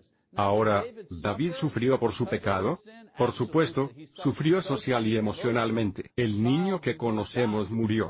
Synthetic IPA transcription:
aoɾad̪aβiðsufɾjopo̞ɾsupe̞kað̞opoɾsupwe̞st̪osufɾjo̞so̞sjaliemo̞sjonalmẽnt̪e̥elnĩɲoke̞ko̞no̞se̞mozmuɾjo̞̰

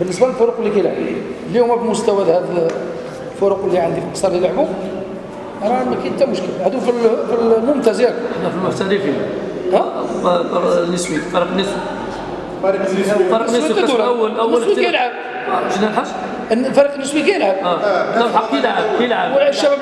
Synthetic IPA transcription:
bənːəsbæləlfʊɾuqlːikæjəlʕbilihʊmːæbəlmʊst̪æwæd̪hæd̪ | lfʊɾuqlːiʕənd̪ifilqsˤɑɾˤlijəlʕbu | ɾˤɑmækæjənt̪æmʊʃkəlhæd̪ufilfilmʊmt̪æzjæɾəħnæfilmʊħt̪æɾifi | æfnːəsbifɑɾqənːəsbi | fɑɾiqnːfɑɾbt̪æd̪ulwːəlnːsbikæjəlʕəb̚ | ʃnælħaʃ | nfɑɾiqənːəsbikæjəlʕəb̪̚ɑħɑkijlʕəbkijəlʕəwəʃʃːæbæb

